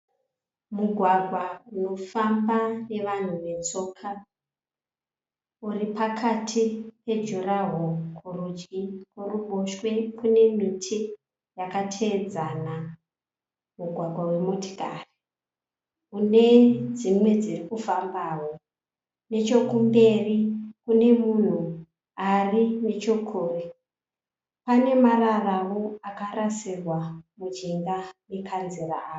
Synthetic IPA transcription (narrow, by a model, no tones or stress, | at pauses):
muɡʱwaɡʱwauno̞fambane̞ʋan̤uʋe̞t͡so̞ːkʰa | uripakʰatʰipe̞d͡ʒuraɦokʰurud͡ʒɡikurumoʃwe̞kune̞mitʰi | jakatʰe̞ːd͡zana | muɡʱwaɡʱwawe̞muti̥ka̰ri | une̞d͡zimwe̞d͡zirikufambaːwo̞ | ne̞t͡ʃo̞kumbe̞rikune̞mun̤u | arine̞t͡ʃo̞kʰoːre | pane̞mararawo̞akaɾasirwamud͡ʒiŋɡane̞kʰanzera̰aː